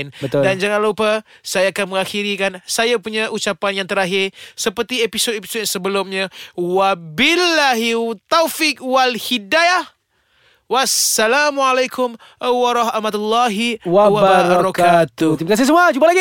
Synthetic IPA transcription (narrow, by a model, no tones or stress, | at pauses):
nbət̪ʊldand͡ʒaŋanlupa | sajaːkanməŋaxiɾikansajapuɲaʔut͡ʃapanjaŋt̪əɾaɦɪrsəpərt̪iepisotepi̥sot̚jasəbəlʊmɲawabilːaɦit̪awfik̚walhidajah | wasːalamualajkʰʊm | waɾˤɔɦmat̪ulːaɦiwawababɾɔkat̪ut̪imakas̬ɪs̬əmuad͡ʒumpalaɡi